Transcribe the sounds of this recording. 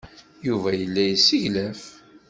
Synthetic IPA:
juvæjəlːæjəsiʝlæf

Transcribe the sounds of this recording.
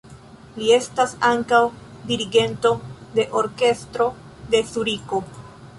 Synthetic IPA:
lie̞stasaŋkaw | diɾiɡe̞nto̞de̞ʔo̞ɾke̞stɾo̞ | de̞suɾiko̞

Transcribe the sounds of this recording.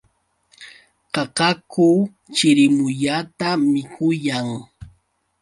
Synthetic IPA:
qɑqɑkʊ | t͡ʃɪɾɪmʊʎat̪amɪkʰʊjaŋ

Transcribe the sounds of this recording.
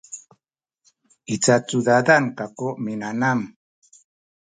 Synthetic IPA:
it͡sat͡sud̪ad̪ankakoʔminanam

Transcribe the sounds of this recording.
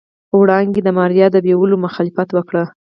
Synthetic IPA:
əwɽɑŋɡed̪əmɑɾjɑd̪əbewəlomʊxɑlɪfat̪wəkɽə

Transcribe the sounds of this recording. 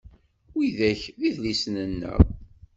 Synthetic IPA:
iðæçðiðlisnənːə̰

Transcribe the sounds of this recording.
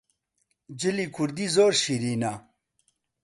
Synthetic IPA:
d͡ʑilikʰuɾd̪izoːɾɕiɾiːna

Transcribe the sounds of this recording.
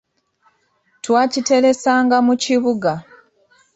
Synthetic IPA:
twaːcite̞ɾe̞saːŋɡamuciβuɡa

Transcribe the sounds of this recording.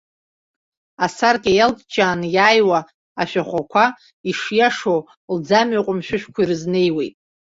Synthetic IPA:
asarkʲʼajaltʰʼd͡ʒaːnjaːjwaː | ʃᶣaχʷakʷʰa | iʂjaʂow | ld͡zamɥaqʷʼʊmʃᶣʊʃᶣkʷʰairɨzne̞jwejtʼ

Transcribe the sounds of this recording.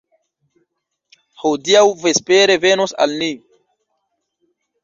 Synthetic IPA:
hodiawvespeɾe̞venosa̰lni

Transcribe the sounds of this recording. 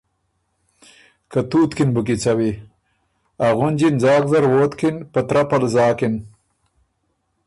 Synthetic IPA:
kat̪uːt̪kinbuk̬it͡sawi | aɣʊnd͡ʑinzɑːk̚zɐɾwoːt̪kinpat̪ɾapalzɑːkin

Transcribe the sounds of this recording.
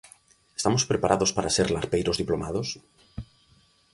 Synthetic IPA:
e̥st̪amospɾepaɾaðospaɾaseɾlaɾpejɾozðiplomaðos

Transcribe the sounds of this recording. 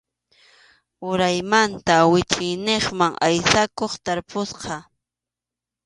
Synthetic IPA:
ʊɾajmant̪awɪt͡ʃɪjneχmaŋʔajsakoχt̪aɾpʊsqɑ

